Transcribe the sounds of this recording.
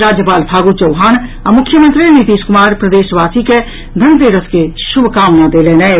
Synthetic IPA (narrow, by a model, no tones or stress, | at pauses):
ɾaːd͡ʒjəpaːlbʰʱaːɡut͡ʃɐʊɦaːnɐmʊkʰjəmə̃nt̪ɾinit̪iːskʊmaːɾpɾəd̪eːʃʋaːsike | d̪ʱɐ̃nt̪eːɾəskeʃʊbʱkaːmnad̪eːleːnɛː